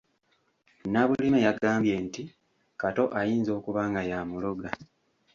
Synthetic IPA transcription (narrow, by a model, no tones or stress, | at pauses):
naβulimejaɡaːmbje̞nti | kato̞ʔajiːnzo̞ːkuβaːŋɡajamuloɡa